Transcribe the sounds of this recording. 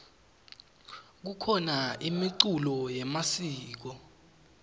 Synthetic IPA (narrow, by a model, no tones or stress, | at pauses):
k̬ukʰɔnaimiǀulɔjɛmasiːk̬ɔ